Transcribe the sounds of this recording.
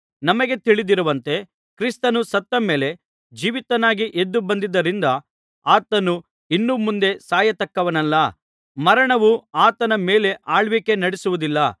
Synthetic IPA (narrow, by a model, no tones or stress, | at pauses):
nɐmɐɡe̞t̪iɭid̪iɾuʋɐnt̪e̞ | kɾist̪ɐnusɐt̪ːɐme̞ːle̞ | d͡ʒiːʋit̪ɐnaːɡiʔed̪ːubɐnd̪id̪ːɐɾind̪ɐ | aːt̪ɐnu | inːumund̪e̞saːjɐt̪ɐkːɐʋɐnɐlːɐ | mɐɾɐɳɐʋuaːt̪ɐnɐmeːle̞ʔaːɭʋike̞nɐɽesuʋud̪ilːɐ